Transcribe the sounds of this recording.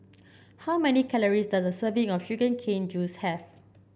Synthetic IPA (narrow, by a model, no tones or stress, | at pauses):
hawmɛnikʰɛləɹisdasdəsəvɪ̃ŋɔfʃuɡə̃nkʰẽnd͡ʒushɛv